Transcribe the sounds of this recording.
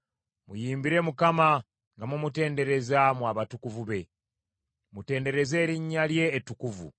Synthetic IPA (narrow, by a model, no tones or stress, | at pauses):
mujiːmbiɾe̞mukama | ŋɡamumute̞ːnde̞ɾe̞zamwaːβatukuvuβe̞ | mute̞ːnde̞ɾe̞ze̞ːɾiɲːalje̞ːtukuvṵ